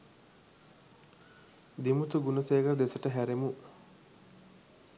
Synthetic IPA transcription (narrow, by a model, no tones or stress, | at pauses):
d̪imut̪uɡunɐseːɡəɾd̪esəʈəɦæɾemu